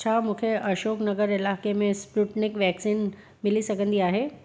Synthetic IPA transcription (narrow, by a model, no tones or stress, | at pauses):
t͡ɕʰaːmũːkʰeɐʃoːknɐɡəɾɪlaːkemẽspɾuːʈnɪkʋɛːksiːn | mɪlisɐɡʱə̃nd̪iaːɦeː